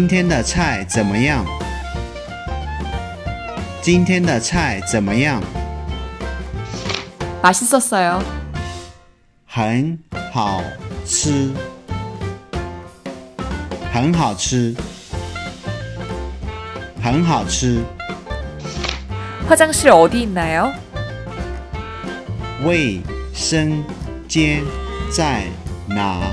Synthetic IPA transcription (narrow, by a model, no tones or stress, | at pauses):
int̪ʰjɛnd̪ət͡sʰaɪt͡sənməjɑŋ | t͡ɕint̪ʰjɛnd̪ət͡sʰaɪt͡sənməjɑŋ | paʂ̩sɔsəo | xənhɑʊʈ͡ʂ̩ʰ | xənxɑʊʈ͡ʂ̩ʰ | xənxɑʊʈ͡ʂ̩ʰ | ɸwad͡ʑaŋɕʰiɾɔd̪iinːajo | weɪʂəŋt͡ɕjɛnt͡saɪna